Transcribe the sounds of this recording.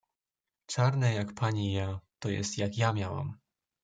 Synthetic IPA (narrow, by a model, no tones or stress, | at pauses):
t͡ʂaɾnɛjakpʰaɲijat̪ɔjɛ̰st̪jakjamʲjawa̰m